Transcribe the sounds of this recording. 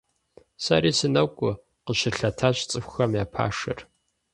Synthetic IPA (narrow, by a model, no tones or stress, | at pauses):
sa̰ɾiːsɨnɐwkʷʼʊ | qəʃɪrɬɐtʰaɕt͡sʼɨxʷxɐmjaːpʰa̰ːʂɨ̰r